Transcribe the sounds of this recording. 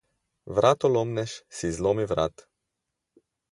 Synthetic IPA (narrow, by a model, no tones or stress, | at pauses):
vɾat̪olɔmnɛʃsizlomivɾa̰t̪